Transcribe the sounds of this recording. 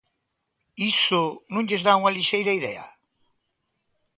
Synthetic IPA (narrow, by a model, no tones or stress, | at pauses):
isʊnũŋʎezðauŋɐliʃejɾɐiðɛɐ̰